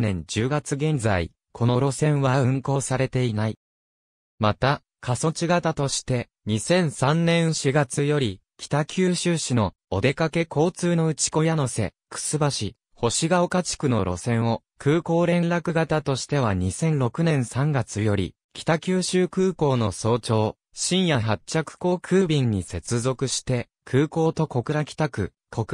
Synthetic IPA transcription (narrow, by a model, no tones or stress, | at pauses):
nẽ̞ɲ̟d͡ʑɨːɡat͡sɨɡẽ̞nd͡za̰ḭ | kʰo̞no̞ɾo̞sẽ̞ɰ̃βaɯ̟̃ŋko̞ːsaɾe̞t̪e̞inai | mat̪a | kʰaso̞t͡ɕiɡat̪at̪o̞ɕi̥t̪e̞ | ɲ̟isẽ̞ɰ̃sãnnẽ̞ɰ̃ɕiɡat͡sɨjo̞ɾʲikʲʰi̥t̪akʲʰɨːɕɨːɕino̞ːd̪e̞kake̞ko̞ːt͡sɨːno̞ɯ̟t͡ɕi̥ko̞jano̞se̞̰ | kʰɯ̟̥sɨbaɕi | ho̞ɕiɡaokat͡ɕi̥kɯ̟no̞̰ɾo̞̰sẽ̞ɰ̃o̞ | kɯ̟ːko̞ːɾẽ̞nɾakɯ̟ɡat̪at̪o̞ɕi̥t̪e̞β̞aɲ̟isẽ̞nɾo̞kɯ̟nẽ̞ɰ̃sãŋɡat͡sɨjo̞ɾʲḭ | kʲi̥t̪akʲɨːɕɨːkɯ̟ːko̞ːno̞so̞ːt͡ɕo̞ː | ɕĩɰ̃jaɦat͡ɕakɯ̟̥ko̞ːkʰɯ̟ːbʲĩɲːise̞t͡sɨzo̞kɯ̟ɕi̥t̪e̞ | kʰɯ̟ːko̞ːt̪o̞ko̞kɯ̟ɾakʲi̥t̪akɯ̟̰ | kʰok